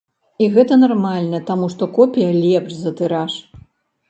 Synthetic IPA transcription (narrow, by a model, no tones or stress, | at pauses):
iɣɛt̪ɐnarmalʲnɐt̪amuʂt̪ɔkɔpʲijɐlʲɛpʂzɐt̪ɨɾaʂ